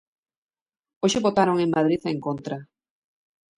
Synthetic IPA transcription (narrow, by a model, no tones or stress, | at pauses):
oʃɪβot̪aɾoŋeŋmað̞ɾiθaeŋkont̪ɾa